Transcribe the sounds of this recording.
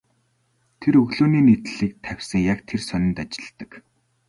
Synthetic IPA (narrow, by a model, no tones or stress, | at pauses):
t̪ʰeɾɵɣɮoːniːnit̪ɮiːk̚t̪ʰæw̥ʲsə̆ŋjakt̪ʰersœnʲɪ̆nt̪at͡ɕɪ̥̆ɮt̪ə̆k